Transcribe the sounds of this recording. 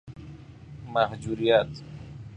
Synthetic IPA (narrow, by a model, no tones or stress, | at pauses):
mahd͡ʒuɾijat̪